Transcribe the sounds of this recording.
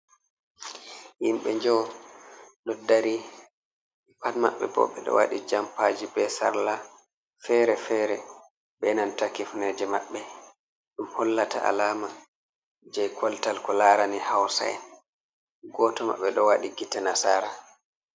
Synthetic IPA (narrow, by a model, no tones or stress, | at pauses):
himɓɛɲd͡ʒɔw | ɗɔdaɾi | panma̰ɓːɛ̰bɔ̰ɓɛɗɔ̰wa̰ɗid͡ʒampad͡ʒibɛsa̰ɾla | fɛɾɛfɛɾɛ | ɓɛnantakifnɛd͡ʒɛmaɓːɛ | ɗumhɔlːata̰ʔa̰laːma | d͡ʒɛjkʰwɔltalkɔlaːɾanihawsa̰ɛ̰n | ɡɔːtɔma̰ɓːɛɗɔwaɗiɡitanasaːɾa